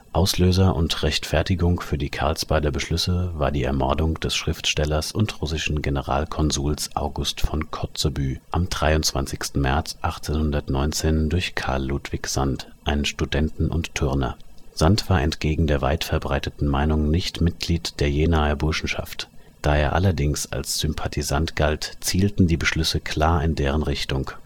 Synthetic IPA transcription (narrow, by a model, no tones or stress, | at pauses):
ʔaʊsløːzɐʔʊ̰ntʁɛçtfɛɐtɪɡʊŋfyːɐdiːkʰa̰ɐlsb̥aɪdɐbəʃlʏsəvaːɐdiːɛ̰ɐmɔɐdʊŋd̥ɛsʃʁ̥ɪftʃtɛlɐsʊntʁʊsɪʃn̩ɡenəʁa̰ːlkʰɔnzuːlsʔa̰ʊɡʊstfɔnkʰɔt͡sobyːʔamdʁaɪʊntt͡sv̥a̰nt͡sɪçstn̩mɛɐt͡sʔaχt͡seːnhʊndɐtnɔʏnt͡seːndʊɐçkʰa̰ɐlːutv̥ɪçz̥a̰ntʔaɪnənʃtudɛntn̩ʔʊ̰ntʰːʊʁnɐ̰z̥antv̥aːɐʔɛ̰ntɡ̥eːɡŋ̩deːɐva̰ɪtfɛɐbʁaɪtətn̩maɪnʊŋnɪçtmɪt̚ɡ̥liːtd̥eːɐjeːnaːəbʊɐʃn̩ʃa̰ftd̥aːeːɐʔa̰lɐdɪŋsa̰lsz̥ʏmpʰatʰizantɡ̥altt͡siːltn̩diːbəʃlʏsəkʰl̥aːɐɪndeːʁənʁɪçtʊŋ